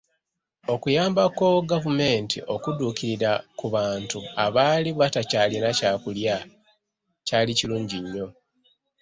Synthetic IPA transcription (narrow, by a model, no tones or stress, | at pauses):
o̞kujaːmbakoɡavume̞ːntʰḭʔo̞kuduːkiɾiɾakuβaːntuaβaːliβatacaːlinacaːkulja | caːliciluːɲɟiɲːo̞